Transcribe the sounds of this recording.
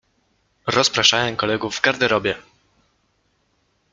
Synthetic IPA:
ɾɔspɾaʂajɛmkɔlɛɡuvːɡaɾd̪ɛɾɔbʲjɛ

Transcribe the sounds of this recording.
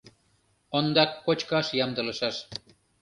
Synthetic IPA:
ond̪ɑkːot͡ɕkɑʃjɑmd̪ɤ̆lə̆ʃɑʃ

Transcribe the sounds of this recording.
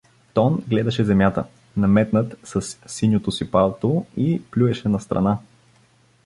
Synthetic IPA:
t̪ɔnɡlɛd̪ɐʃɛzɛmjat̪ə̰ | nɐmɛt̪nət̪sɐsːinʲot̪osipalˠt̪oiplʲuɛʃɛnɐst̪ɾɐ̰na

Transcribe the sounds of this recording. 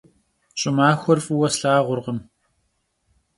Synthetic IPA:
ɕʼɪmaːxʷɔrfʼuwɐsɬaːʁʷʊrʁəm

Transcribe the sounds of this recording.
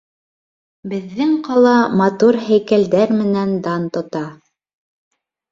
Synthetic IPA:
bɘ̆ðːɘŋqɑlˠɑmɑt̪uɾɦæjkæld̪æɾmɘ̆nænd̪ɑnt̪ŏt̪ɑ

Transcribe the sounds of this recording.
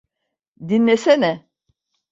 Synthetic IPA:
d̪inlːʲesenɛ

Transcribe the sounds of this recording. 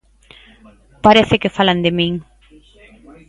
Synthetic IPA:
paɾeθɪkɪfaland̪ɪmĩŋ

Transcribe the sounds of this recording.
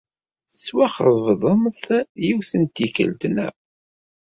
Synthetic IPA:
θəswæχəvðˤəmθjiwθənt̪ːikə̰lt̪næ̰

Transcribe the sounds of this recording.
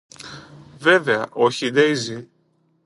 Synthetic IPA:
veveɐʔoçid̪ejzi

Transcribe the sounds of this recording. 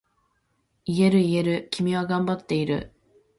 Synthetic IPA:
ie̞ɾɯ̟ie̞ɾɯ̟kʲimʲiβaɡãmbat̪ːe̞iɾɯ̟̰

